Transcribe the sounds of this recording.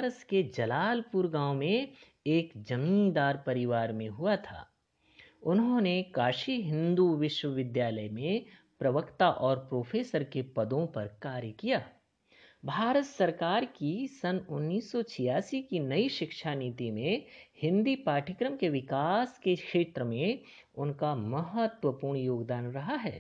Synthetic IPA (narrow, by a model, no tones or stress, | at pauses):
ɾət̪ked͡ʒɐlaːlpuɾɡãːʊmẽ | eːkd͡ʒɐmĩnd̪aːɾpɐɾɪʋaːɾmẽɦuat̪ʰa̰ː | ʊnɦõnekaːʃiɦɪ̃nd̪uʋɪʃwəʋɪd̪jaːləjmẽ | pɾɐʋəkt̪aʔɔːɾpɾoːfʰeːsəɾkepɐd̪õpɐɾkaːɾjəkijaː | bʱaːɾət̪sɐɾkaːɾkisɐnʊnːiːsːɔt͡ʃʰɪjaːsikinɐiʃɪkʃaniːt̪imẽhɪ̃nd̪ipaːʈʰəkɾəmkeʋɪkaːskekʃeːt̪ɾəmẽ | ʊnkamɐɦət̪wəpuːɾɳjoːɡd̪aːnɾɐɦaɦɛː